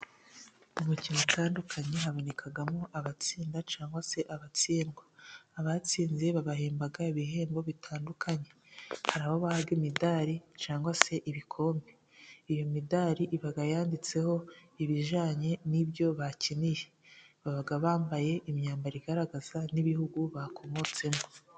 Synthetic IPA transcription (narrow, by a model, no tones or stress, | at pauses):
umucinutaːndukʰaɲe̞ɦaβo̞ne̞kʰaɡamoʔaβat͡siːndat͡ʃaːŋɡwase̞ʔaβat͡siːnɡwaːβat͡siːnze̞βaβaɦeːmbaɡaiβiɦe̞ːmbo̞βitʰaːndukʰaɲe̞ | haɾaːho̞βahaβɡimidaːɾit͡ʃaːŋɡwase̞ʔiβikʰo̞ːmbe | ijo̞midaːɾiʔiβaɡajaːndit͡se̞ho̞iβiʒaːɲe̞nibjo̞βacinije | βaβaɡaβaːmbaje̞ʔimɲaːmbaɾiɡaɾaɡaz̥aniβihuɡuβakʰo̞mo̞t͡se̞mo